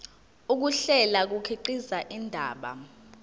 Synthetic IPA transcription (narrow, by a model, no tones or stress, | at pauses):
uk̬uɬɛlak̬ukʰiǃizaʔindʱaːɓa̰